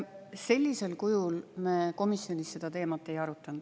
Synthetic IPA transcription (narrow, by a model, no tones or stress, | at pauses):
se̞lʲːise̞lkujulmeːko̞misːio̞nʲisːe̞d̪̥ɑt̪e̞ːmɑt̪ːˑe̞jɑɾut̪ːˑɑnd̪̥